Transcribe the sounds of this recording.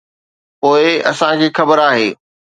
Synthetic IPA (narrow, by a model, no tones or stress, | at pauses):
poːɪɐsãkʰeːxɐbəɾaːɦeː